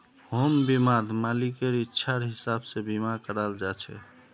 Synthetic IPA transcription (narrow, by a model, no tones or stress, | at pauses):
ɦombimad̪ʱmalikeɾitːʃʰaɾɦisabsebimakəɾald͡ʒat͡ʃʰɛ̰